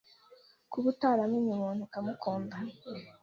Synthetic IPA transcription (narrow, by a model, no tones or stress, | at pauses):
kuβutaɾamuɲimonikamukʰoːmba